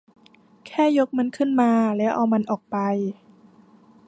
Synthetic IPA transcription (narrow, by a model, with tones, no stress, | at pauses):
kʰɛː˥˩jo˦˥k̚ma˧nkʰɯ˥˩nmaː˧lɛː˦˥wʔa˧wma˧nʔɔː˨˩k̚pa˧j